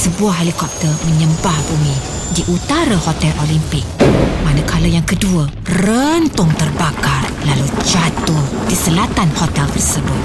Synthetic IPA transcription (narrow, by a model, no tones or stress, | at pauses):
səbuahelikɔp̚t̪ərmə̃ɲə̃mbahbumĩ | diʔut̪aɾəhot̪ɛlʔolimpɪk̚manəkʰaləjaŋkəduə | rənt̪ʊŋt̪ərbakarlalud͡ʒat̪ʊhdisəlat̪anhot̪ɛlt̪ərsəbʊt̪̚